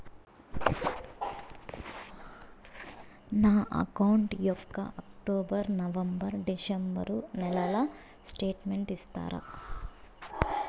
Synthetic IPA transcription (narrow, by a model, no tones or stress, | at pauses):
naːʔɐ̰kɐwɳʈjɔkːɐ̰ʔɐkʈoːbɐɾnɐʋɐmbɐɾɖisɐmbɐ̰ɾunɛlɐlɐ | sʈe̞ːʈmeɳʈist̪a̰ːɾɐ̰